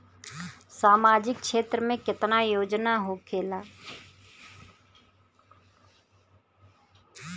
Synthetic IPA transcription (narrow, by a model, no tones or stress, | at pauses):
saːmaːd͡ʒɪk̚ʰʃʰeːt̪ɾmẽːkɪt̪naːjoːd͡ʒnaːɦoːkʰeːlaː